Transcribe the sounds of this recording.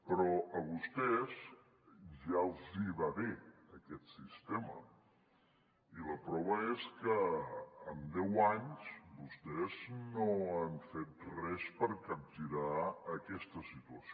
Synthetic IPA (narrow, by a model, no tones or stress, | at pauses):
pɾɔəβust̪ɛz | ʒalˠziβaβeəkɛt̪sist̪emə̰ | iləpɾɔβ̞əeskə | əmd̪ɛwaɲzbust̪ɛznoaɱfet̪̚rɛspəɾkəp̚t̪iɾaəkɛst̪əsit̪uəs